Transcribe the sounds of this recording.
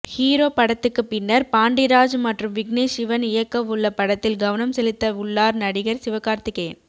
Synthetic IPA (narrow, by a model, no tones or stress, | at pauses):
hiːɾoːpɐɽɐt̪ːɯkːɯpːɪnːɐɾpaːɳɖɪɾaːd͡ʒmɐʈrɯmʋɪɡneːsɪʋɐnɪjɐkːɐʋʊɭːɐpɐɽɐt̪ːɪlɡɐʋɐnɐmsɛlɪt̪ːɐʊɭːaːɾnɐɽɪɣɐɾsɪʋɐkaːɾt̪ɪkːeːn